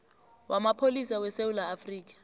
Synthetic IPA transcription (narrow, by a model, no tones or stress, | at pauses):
wʔamapʰolisawɛsewulaːfriːk̬ḁ